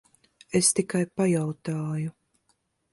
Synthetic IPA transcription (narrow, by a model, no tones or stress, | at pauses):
est̪ikajpajawt̪aːju